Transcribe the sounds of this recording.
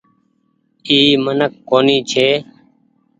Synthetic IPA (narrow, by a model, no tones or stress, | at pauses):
iːmənəkːoːniːt͡ʃʰeː